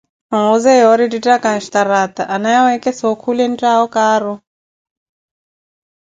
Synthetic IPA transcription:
aŋɔzɛɔɾiditakanʃt̪aɾat̪a̰ʔanajaɔɛkɛsɔɔkʰulɛntaɔkaːɾɔ

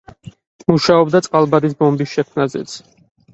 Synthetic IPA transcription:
muʃaɔbd̪at̪sʼqʼalˠbad̪isbɔmbisʃɛkʰmnazɛ̰t̪sʰ

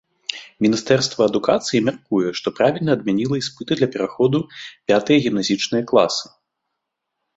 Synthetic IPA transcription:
mʲinʲist̪ɛrst̪vɐːd̪ukat̪sɨjimʲarkujɛʂt̪ɔpɾavʲilʲnɐːd̪mʲanʲilˠɐispɨt̪ɨd̪lʲɐpʲɛɾaxɔd̪upʲat̪ɨjɐɣʲimnazʲit͡ʂnɨjɐklˠa̰sɨ̥

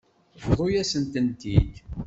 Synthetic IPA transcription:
vðˤojæsənt̪ənt̪id̪

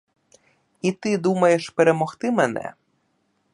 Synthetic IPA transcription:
it̪ɪd̪umɐjeʃpeɾemɔxt̪ɪmenɛ̰

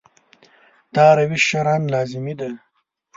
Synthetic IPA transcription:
t̪ɑːɾɐwiʃɐɾɑːnlɑːzɪmid̪a

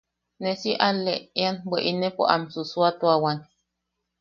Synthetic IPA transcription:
nesiʔaleeanbeʔinepo̰ʔa̰msuswat̪uawan

